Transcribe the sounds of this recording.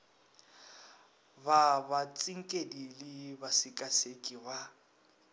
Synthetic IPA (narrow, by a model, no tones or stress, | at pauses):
babat͡sʼiŋ̩kʼedilɪbasɪkʼasekʼiβa